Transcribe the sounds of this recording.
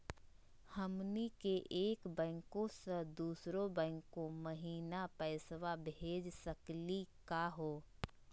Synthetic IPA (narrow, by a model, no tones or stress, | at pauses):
həmnikeʔeːkbɛ̃ːŋkõsəd̪uːsɾõbɛ̃ɪŋkːõməɦiːnapɛːsʋabʱeːd͡ʒsəklikaɦoː